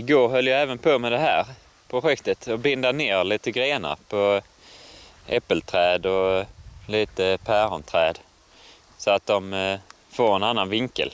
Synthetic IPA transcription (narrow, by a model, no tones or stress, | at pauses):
ɪɡoːɾɦœljaɛːvənpʰoːmɛd̪ɛɦæːɾ | pʰɾʊɧɛkt̪ət̪ɔbɪnd̪aneːɾliːt̪əɡɾeːnə̰ɾpʰɔ | ɛpːəlt̪ʰɾɛːd̪ɔliːt̪əpʰæːɾɔnt̪ʰɾɛːd̪ | sɔat̪̚d̪ɔm | foːɾɛnanːanvɪŋkə̰l